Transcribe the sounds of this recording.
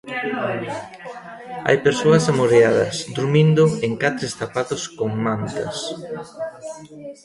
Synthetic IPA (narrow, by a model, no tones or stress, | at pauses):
a̰jpeɾsoɐsamoɾeaðɐ̰sd̪uɾmĩnd̪ʊeŋkat̪ɾest̪apaðʊskoŋmãŋt̪ɐ̰s